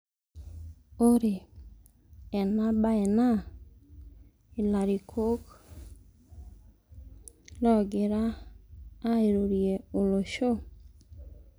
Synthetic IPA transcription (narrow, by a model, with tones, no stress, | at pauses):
o˦ɾe˨ | ɛ˨na˦ba˦ɛ˨na˦ | ɪ˨la˨ɾi˨kʰo˦k | lɔ˦ɡɪ˨ɾaː˦ | e˨ɾo˨ɾje˨o˨lo˨ʃo˦